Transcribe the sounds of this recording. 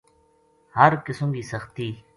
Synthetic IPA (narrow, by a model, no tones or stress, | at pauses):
hɐɾkɪsõːɡiːsɐxt̪iː